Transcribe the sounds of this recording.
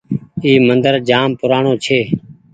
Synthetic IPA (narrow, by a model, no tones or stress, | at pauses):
iːmənd̪əɾd͡ʒaːmpʊɾaːɳõːt͡ʃʰeː